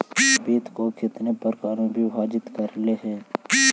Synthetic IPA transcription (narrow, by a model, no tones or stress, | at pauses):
biːt̪kokʰɪt̪nepəɾkaːɾõbʱiʋaːd͡ʒɪt̪kəɾleɦɛː